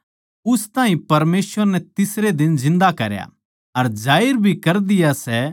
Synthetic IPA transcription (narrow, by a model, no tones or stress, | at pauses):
ʊst̪aːɦĩpɐɾmeːsʋəɾnɛt̪ɪsɾed̪ɪnzɪ̃nd̪akɐɾja̰ | ɐɾd͡ʒaːɪɾbʱikɐɾd̪ɪjasɛ